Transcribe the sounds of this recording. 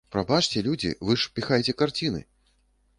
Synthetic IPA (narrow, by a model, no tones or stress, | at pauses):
pɾabat͡ʂt͡sʲɛlʲud͡zʲḭvɨʂpʲixajt͡sʲɛkart͡sʲinɨ̰